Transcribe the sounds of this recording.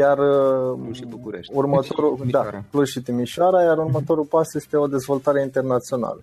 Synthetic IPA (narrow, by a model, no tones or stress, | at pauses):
jar | urmət̪oɾud̪akluzʃit̪imiʃʊaɾajaɾurmət̪o̞ɾulpasje̞st̪e̞o̞d̪e̞zvo̞lt̪aɾeint̪e̞rnat̪sio̞na̰lə